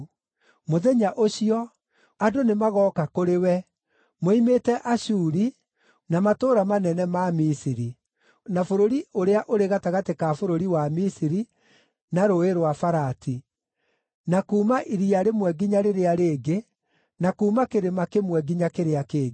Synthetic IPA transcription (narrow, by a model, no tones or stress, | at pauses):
moðɛɲaʔoɕiɔ | adonemaɣɔːkakoɾewɛ | moimetɛʔaɕuɾi | namatoːɾamanɛnɛmamisiɾi | nafoɾoɾioɾeaʔoɾeɣataɣatekafoɾoɾiwamisiɾi | naɾoeɾwafaɾati | nakuːmaʔiɾiaɾemwɛɡiɲaɾeɾeaɾeːɡe | nakuːmakeɾemakemwɛɡiɲakeɾeakeːɡ